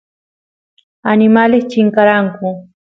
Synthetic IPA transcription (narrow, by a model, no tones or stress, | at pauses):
anɪmalɪkt͡ʃɪŋkaɾaŋkʊ